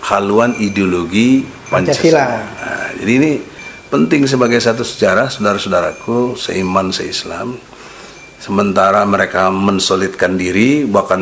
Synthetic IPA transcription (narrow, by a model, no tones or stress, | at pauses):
kʰaluanideoloɡi | paɲt͡ʃaia̰d͡ʒa̰diːni | pənt̪ɪŋs̬əbaɡajsat̪̬usə̥t͡ʃaɾasudaɾasudaɾakusə̰imansə̰isla̰m | səmənt̪aɾaməɾekamənsolɪt̪̚kandiɾibakan